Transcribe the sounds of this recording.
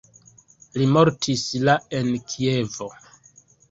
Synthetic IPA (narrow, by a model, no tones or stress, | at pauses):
limo̞ɾtʰislaenkʰie̞vo